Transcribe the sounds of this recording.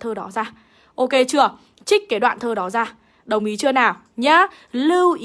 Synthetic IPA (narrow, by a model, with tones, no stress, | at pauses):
t̪ʰəː˧ɗɔ˨˦zaː˧ | ʔo˧ke˧t͡ɕɨ˧˩ə | t͡ɕï˦˥k̟̚kaː˨˦ɗwa̰ː˧˨nt̪ʰəː˧ɗɔ˨˦zaː˧˩ | ɗə˨˩wŋ͡mʔi˨˦t͡ɕɨ˧ənaː˨˩w | ɲaː˨˦ | lɨ˧wʔ